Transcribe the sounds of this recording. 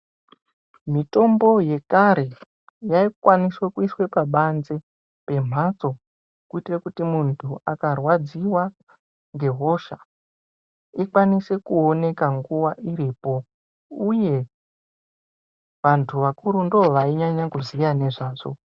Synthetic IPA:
mito̞mbo̞je̞kaɾe̞ | jaikwaniswekuiswe̞paɓanze | pe̞m̤at͡so̞ | kuitrekutimuntʰuakarwad͡ziwa | ŋɡe̞ɦo̞ʃa | ikwanise̞kuone̞kaŋɡuwaʔiɾiːpo̞ | uje̞ | ʋantʰuʋakuɾundooʋaiɲaɲakuzijane̞ʐaːʐo̰

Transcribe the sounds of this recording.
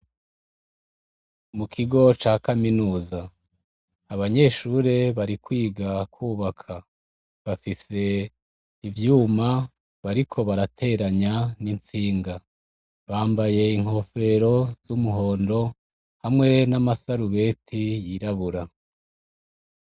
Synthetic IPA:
mukʰiɡo̞t͡ʃaːkaminuːzaː | βaɲe̞ʃuːɾe̞βaɾikwiːɡakwuːβakʰa | βafise̞ | ivjuːma | βaɾikʰo̞βaɾatʰe̞ɾaɲanint͡siːŋɡa | βaːmbaje̞iŋ̥ho̞fe̞ɾo̞z̥umuɦo̞ːndo̞ | hamŋe̞namasaɾuβe̞ːtʰijiɾaβuɾa

